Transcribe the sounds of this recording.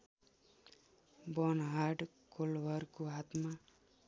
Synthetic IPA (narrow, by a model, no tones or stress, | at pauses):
bʌnɦaɖ | kolwʌrkoɦat̪ma